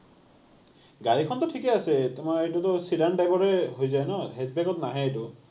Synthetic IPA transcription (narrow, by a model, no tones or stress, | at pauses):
ɡaɾikʰɔnt̪ɔʈʰikeaset̪emaeʈut̪ɔsiɖaɳʈajbɔɾeɦojd͡ʒajnɔɦed͡ʒbekɔt̪ɔnaɦẽeʈu